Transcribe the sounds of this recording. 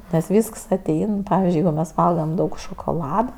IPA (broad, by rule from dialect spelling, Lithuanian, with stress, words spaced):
nʲɛs ˈʋʲiːsks ɐˈtʲɛɪn ˈpɑːʋʲɪzʲd͡ʒʲʊɪ ˈjɛɪɡʊ mʲɛs ˈʋɐlˠɡɐm ˈdɐʊk ʃoːkoːˈlˠɑːdɐ